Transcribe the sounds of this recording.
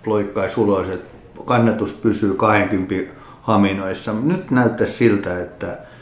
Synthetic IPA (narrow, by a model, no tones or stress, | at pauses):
ploikːɑisuloset̪ | kɑnːet̪ust̪pysyːkɑheŋkympi | hɑminoisːɑnyt̪næyt̪ːæssilt̪æet̪ːæ